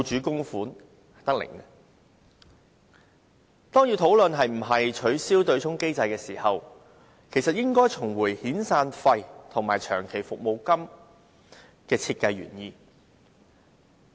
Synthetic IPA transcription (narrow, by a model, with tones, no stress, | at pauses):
t͡ʃyː˨˥kʊ˥ŋfuː˨˥n | hɐ˨t̪ɐ˥k̚lɪ̰˨˩ŋɛ˧ | t̪ɔː˥ŋji˧wt̪ʰo˨˥wlɵ˨nɦɐ˨jm̩˨˩ɦɐ˨jt͡ʃʰɵ˨˥ɥsiː˥wt̪ɵ˧ɥt͡sʰʊ˥ŋke˥jt͡sɐ˧jkɛː˧siː˨˩hɐ˨w | kʰe˨˩sɐ˨t̚jɪ˥ŋkɔː˥jt͡sʰʊ˨˩ŋwuː˨˩jhiː˨˥nsaː˧nfɐ˧jt̪ʰʊ˨˩ŋmaː˨˩jt͡ʃʰœ̰ː˨˩ŋkʰe˨˩jfʊ˨k̚mo˨˧wkɐ˥m | kɛː˧t͡sʰiː˧t̚kɐ˧jɥy̰ː˨˩njiː˧